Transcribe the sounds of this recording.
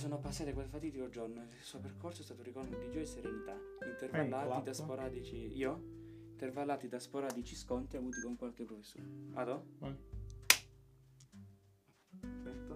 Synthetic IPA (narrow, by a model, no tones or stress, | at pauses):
soːnoapːasːaːt̪ekwelfat̪iːd̪ikod͡ʒornoilsuːoperkorsoɛst̪aːt̪oɾikɔrmod̪id͡ʒɔɾiseɾenit̪aint̪ervalːaid̪aspoɾaːd̪it͡ʃiiːo | int̪ervalːaːt̪id̪aspoɾaːd̪it͡ʃiskɔnt̪eavuːt̪ikoŋkwalk̟epɾofesːo̰ːɾa̰d̪o | ɛt̪